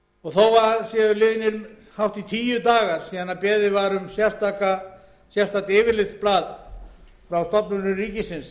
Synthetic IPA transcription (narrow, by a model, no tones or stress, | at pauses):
ɔɣθowvaɾsjɛʏlɪːðɪnɪɾ | hawht̪it̪ʰiːjʏt̪aːɣaɾ̥siːðanapɛːðɪvaɾʏmsjɛ̥st̪aːka | sjɛ̥st̪ʰat̪ɪːvɪɾlɪt̪splaːð | fɾawst̪ɔpnʏnʏriːcɪsɪns